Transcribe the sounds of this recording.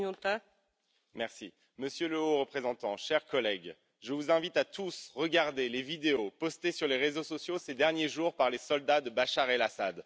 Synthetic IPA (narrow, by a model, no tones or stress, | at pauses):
t̪a | mɛʁsḭ | məsjøləoʁəpχezɑ̃t̪ɑ̃ʃɛʁkɔlɛɡ | ʒəvuzɛ̃vit̪at̪usʁəɡaʁd̪elevid̪eopɔst̪esyʁleʁezosɔsjosed̪ɛʁnjeʒuʁpaʁlesɔld̪ad̪əbaʃaʁelasad̪